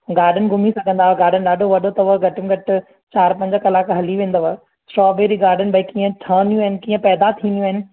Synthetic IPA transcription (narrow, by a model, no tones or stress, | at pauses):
ɡaːɾɖənɪ̆ɡʱʊmisɐɡʱə̃nd̪aːʋɡaːɾɖ̤ənɪ̆ɗaːɖʱoʋɐɗot̪ɐʋəɡʱɐʈənɪ̆ɡʱɐʈɪ | t͡ɕaːɾpɐ̃ɲd͡ʑkɐlaːkɦɐliʋẽːnd̪əʋa | sʈɾɔːbeːɾiɡaːɾɖənɪ̆bɐikiːə̃ʈʰaːnjũɦɪnɪ̆kĩːə̃pɛːd̪at̪ʰiːnjũɐɦɪnɪ̆